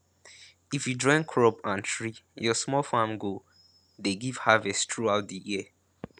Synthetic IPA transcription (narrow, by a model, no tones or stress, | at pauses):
ifjudɹɔ̃ɪ̃nkʰɹɔbãntʰɹijɔsmɔlfãmɡo | deɡiv̥havɛsttʰɹuaʊt̚dəjiə